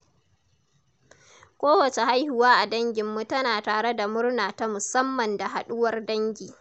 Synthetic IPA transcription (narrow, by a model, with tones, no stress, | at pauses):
kʷoː˦wɐ˨t͡ʃe˨ha˦jhʊ˦waː˦ʔa˨dɐ˦ŋɡʲɪ˨mːu˦tɐ˦naː˨taː˨ɽe˦da˨mʊ˦ɽnaː˨ta˦mʊ˨sɐ˦mːɐ˨nda˨ɦa˨ɗʊ˦wɐ˦rdɐ˦ŋɡʲiː˨